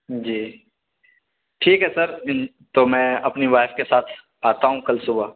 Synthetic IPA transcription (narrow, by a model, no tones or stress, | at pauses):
d͡ʒiː | ʈʰiːkɦɛsɐɾ | t̪omɛ̃ːɐpniʋaːɪfkesaːt̪ʰ | aːt̪aɦũkɐlsʊba